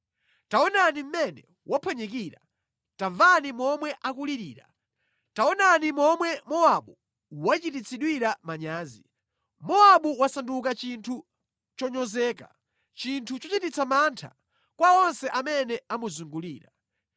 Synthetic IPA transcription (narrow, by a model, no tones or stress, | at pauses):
taɔnanim̩mɛnɛ̰ | wʔapʰɔɲɛkiɾa̰ | tavanimɔmwɛʔakuliɾiːɾa̰ | taɔnanimɔmwɛmɔaɓu | wat͡ʃitit͡sʰiɗwiɾamaɲaːzi | mɔaɓuwasanduk̬at͡ʃintʰu | t͡ʃɔɲɔzɛːka̰ | t͡ʃintʰut͡ʃɔt͡ʃitit͡sʰamantʰa̰ | kwaɔnsɛʔamɛnɛamuzuŋɡuliːɾa